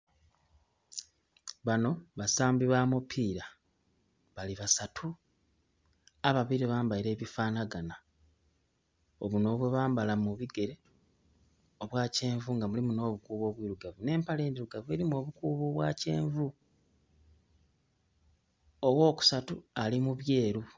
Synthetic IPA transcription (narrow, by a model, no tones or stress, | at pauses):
βano̞βasaːmbiβaːmupʰiːɾa | βaliβasatʰu | aβaβiɾiβaːmbaiɾe̞ːβifaːnaɡana | oβuno̞βwe̞βaːmbalamuβiɡe̞ɾe̞ | oβwaːce̞ːɱvuŋɡamulimuno̞ːβukuːβo̞ːβwiːɾuɡavune̞ːmpaleːniɾuɡavue̞ɾimuo̞βukuːβoːβwaːce̞̰ːɱvu | o̞wo̞ːku̥satualimuβje̞ːɾu